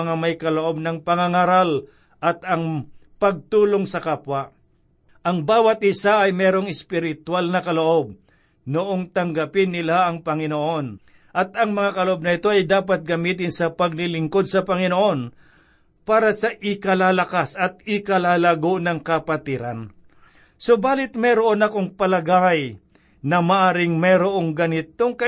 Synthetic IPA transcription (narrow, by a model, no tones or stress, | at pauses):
ŋamɐjkɐloʔo̞b̚nɐŋpɐŋaŋaɾal | ʔɐt̪ɐŋ | pɐɡ̚t̪uːlo̞ŋsɐkapwɐ | ʔɐŋbaːwɐt̪̚ʔɪsaʔɐjmɛːɾo̞ŋɪspɪɾɪt̪walnɐkɐloʔo̞b̚ | nʊʔo̞ŋt̪ɐŋɡɐpɪnːɪlaɐŋpɐŋɪnoʔo̞n | ʔɐt̪ɐŋmɐŋakɐloʔob̚nɐɪt̪o̞ɐjd̪aːp̬ɐt̪̚ɡɐmiːt̪ɪnsɐpɐɡ̚lɪlɪŋko̞d̪̚sɐpɐŋɪnoʔo̞n | paːɾɐsɐʔɪkɐlaːlɐkasɐt̪̚ɪkɐlaːlaɡonɐŋkɐpɐt̪ɪɾa̰n | so̞baːlɪt̪̚mɛɾoʔo̞nɐko̞ŋpɐlɐɡaj | nɐmɐʔaːɾɪŋmɛɾoʔo̞ŋɡɐnɪt̪o̞ŋkɐ